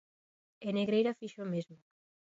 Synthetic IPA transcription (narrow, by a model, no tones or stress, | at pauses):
eneɣɾejɾafiʃomezmo